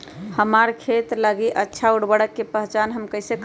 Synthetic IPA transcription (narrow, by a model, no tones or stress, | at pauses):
həmaɾkʰet̪ləɡiʔətːʃʰauɽbəɽəkːepəɦt͡ʃanɦəmkəɦisek